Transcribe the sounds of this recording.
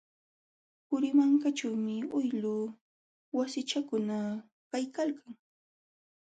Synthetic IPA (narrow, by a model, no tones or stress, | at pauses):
pʊɾɪmaŋkat͡ʃawmɪʊjlʊ | wasɪt͡ʃakʊna | kajkalkaŋ